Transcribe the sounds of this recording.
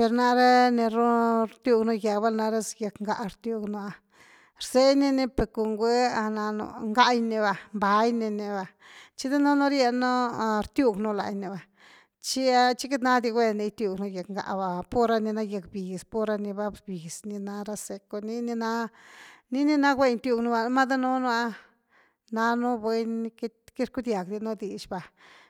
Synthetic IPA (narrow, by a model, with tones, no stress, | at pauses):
pe˧ɾna˧ɾe˦ne˧ɾo˦ɾt̪ju˧ɡno˧ja˨kba˦na˧ɾa˦sja˧kŋɡa˨ʔɾt̪ju˧ɡno˧a˧ | ɾse˦jni˧ne˧pe˨ɾko˨ŋɡʷe˦a˧na˧no̰˧˨ŋɡa˦jni˧ba˨mba˨˧jni˧ne˧ba˧t͡ʃi˦d̪e˦no˦no˦ɾje˧no˦˧ɾt̪ju˧ɡnu˧la̰˧˨jni˨ba˨ | t͡ʃi˦a˦t͡ʃi˦ke˦t̪na˦d̪i˧ɡwe˧ne˧˦t̪ju˧ɡnu˧je˨kŋɡa̰˧˨ʔba˨po˦ɾa˧ni˧na˦je˧kbi˨spo˦ɾa˧ni˧ba˧bi˨sni˧na˧ɾa˧se˧ko˧ni˦ni˧na˦ | ni˦ni˧na˦kwʷe˦˧jnt̪ʲju˧knu˧ba˧˦ma˦d̪a˦no˦n˦a˧˦ | na˧nu˦bwe˧˦n˧kki˦ɾku˦d̪ja˨kd̪i˧no˦d̪i˨t͡ʃba˨